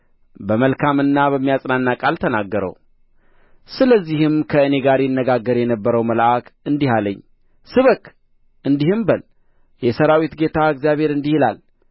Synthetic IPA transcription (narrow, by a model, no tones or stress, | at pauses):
bəməlkʰamɨnːabəmːijasʼnanːakʼalt̪ʰənaɡːəɾə̰w | sɨləzːihɨmkʰəɨne̞ɡaɾjɪnːəɡaɡːəɾjɛnəbːəɾəwməlʔakʰɨnd̪iɦaləɲː | sɨβək | ʔɨnd̪ihɨmbəl | jɛsəɾawit̪ɡe̞t̪ʰaɨɡzjaβhe̞ɾɨnd̪ihila̰l